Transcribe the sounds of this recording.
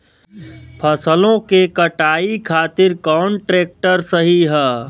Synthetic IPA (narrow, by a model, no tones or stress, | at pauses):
pʰəsəlõkekəʈaːikʰaːt̪ɪɾkɔːnʈɾeːk̚ʈəɾsəɦiɦɛː